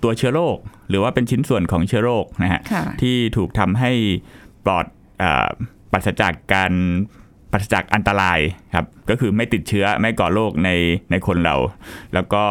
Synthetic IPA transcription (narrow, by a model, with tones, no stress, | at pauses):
t̪u˧ɐt͡ɕʰɯ˦˥ɐloː˥˩k̚ɾɯː˩˦waː˥˩pe˧nt͡ɕʰi˦˥nsu˨˩ənkʰɔː˩˦ŋt͡ɕʰɯ˦˥ɐloː˥˩k̚na˦˥kʰa̰˦˥˧t̪ʰiː˥˩t̪ʰuː˨˩k̚t̪ʰa˧mɦa˥˩jplɔ̰ː˨˩t̪̚ | ʔə̰ː˨˩ | pa˨˩t̪̚sa˧t͡ɕa̰˨˩kːaː˧n | pa˨˩t̪sa˧t͡ɕa˨˩k̚ʔa˧nt̪a˧ɾaː˧jkʰa˦˥p̚kɔː˥˩kʰɯː˧ma˥˩jt̪i˨˩t̪̚t͡ɕʰɯ˦˥ɐma˥˩jkɔː˨˩loː˥˩k̚na˧jna˧jkʰo˧nɾa̰˧wlɛː˦˥wkɔː˥˩